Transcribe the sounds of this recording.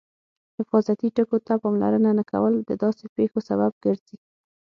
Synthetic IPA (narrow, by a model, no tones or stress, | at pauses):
hɪfɑzat̪iʈəkot̪apɑmla̰ɾənanaka̰wəld̪əd̪ɑsepexosabab̚ɡəɾzi